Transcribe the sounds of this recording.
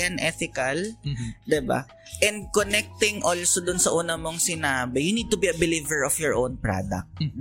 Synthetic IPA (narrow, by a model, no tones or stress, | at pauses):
ɐnʔɛθɪkɐld̪ɪba̰ | ʔɛ̃nd̪̚konɛk̚t̪ɪŋʔolsod̪ʊnsɐʔuːnɐmoŋsɪnaːbɪjʊnid̪̚t̪ʊbiʔɐbɪlivɛɹɔfjɔɹʔownpɹa̰d̪ɐ̰k̚t̪